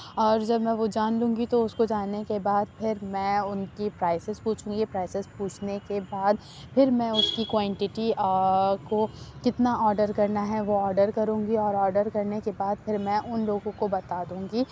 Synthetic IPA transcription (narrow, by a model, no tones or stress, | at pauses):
ɔːɾd͡ʒɐbmɛ̃ʋod͡ʒaːnlũːŋɡit̪oʊskod͡ʒaːnekebaːd̪̚pʰɪɾmɛ̃ːʊnkipɾaːɪsɪzpuːt͡ʃʰũːŋɡipɾaːɪsɪzpuːt͡ʃʰnekebaːd̪ | pʰɪɾmɛ̃ʊskikwãːɳʈɪʈi | kokɪt̪naɔːɾɖəɾkɐɾnaɦɛʋoɔːɾɖəɾkɐɾũːŋɡiɔːɾɔːɾɖəɾkɐɾnekebaːd̪̚pʰɪɾmɛ̃ʔʊnloːɡõkobɐt̪aːd̪ũːŋɡiː